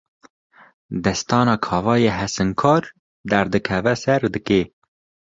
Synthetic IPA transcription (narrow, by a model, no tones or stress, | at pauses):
d̪ɛst̪ɑːnɑːkʰɑːvɑːjeːɦɛsɨŋkʰɑːɾ | d̪ɛɾd̪ɨkʰɛvɛsɛɾd̪ɨkeː